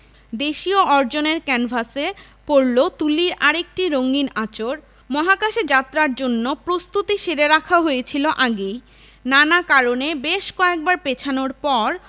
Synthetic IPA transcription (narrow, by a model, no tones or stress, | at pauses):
d̪eʃioɔɾd͡ʑoneɾkɛnbʱase | poɾlot̪uliɾaɾek̚ʈiɾoŋɡinat͡ɕoɾ | mɔɦakaʃed͡ʑat̪ːɾaɾd͡ʑonːopɾost̪ut̪iʃeɾeɾakʰaɦojet͡ɕʰiloʔaɡej | nanakaɾonebeʃkɔek̚baɾpet͡ɕʰanoɾpɔɾ